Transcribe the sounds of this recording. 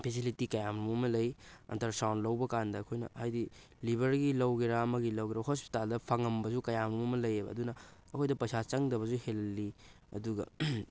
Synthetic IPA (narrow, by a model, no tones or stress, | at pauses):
pʰes̬ilitikɐjamɾumɐmɐlɐjɐ̰ntɐɾsawnlɐwbɐkandɐːkʰojnɐ̰hajdi | libʱɐɾɡilɐwɡiɾaɐmɐɡilɐwɡiɾaɦospi̥taldɐpʰɐŋɐmbɐzukɐjamɾumɐmɐlɐjebɐ̰ɐdunɐːkʰojdɐpɐjsʰat͡ʃɐŋdɐβɐzuhelɐlːi | ɐ̰duɡɐ̰